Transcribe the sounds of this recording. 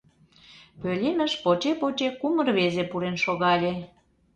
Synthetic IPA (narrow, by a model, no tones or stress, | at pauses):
pølʲemə̆ʃpot͡ɕepot͡ɕekumərβezepuɾenʃoɣɑlʲe